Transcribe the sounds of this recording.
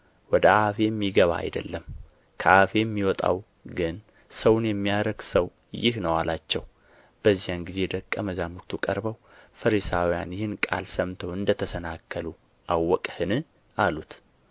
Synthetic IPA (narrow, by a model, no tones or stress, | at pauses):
wɔd̪əʔafeɛmːiɡəβa̰a̰jd̪ə̰lːəm | kʰəʔafejɛmːiwɔt̪ʼa̰w | ɡɨn | səwʊnjɛmːijaɾəɡsəw | jɪhnəwalat͡ʃːɛw | b̥əzːijanɡize̞d̪əkʼːəməzamukt̪ʰukʼəɾbəw | fəɾisawija̰njɪhɪnkʼa̰lsəmt̪ʰəwɨnd̪ət̪ʰəsənakʰːəlu | ʔawːɔkʼhɨnɨ | alut̪